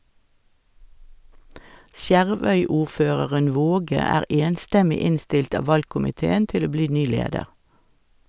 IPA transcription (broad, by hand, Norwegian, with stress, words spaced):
ˈsjæʁˌʋœʏˌuːʁˌføːʁəʁən ˈʋoːɡə ˈæːʁ ˈeːnstɛmɪ ˈɪnstɪlt ˈɑː ˈʋɑlkʊmɪˌteːən ˈtɪl ˈoː ˈbliː ˈnyː ˈleːdəʁ